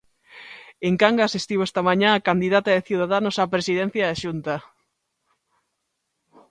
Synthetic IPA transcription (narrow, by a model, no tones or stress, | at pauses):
eŋkaŋɡasist̪iβoɛst̪ɐmaɲãːkand̪iðat̪aðeθjuðaðanosapɾesiðɛ̃n̟θjɐðaʃunt̪ɐ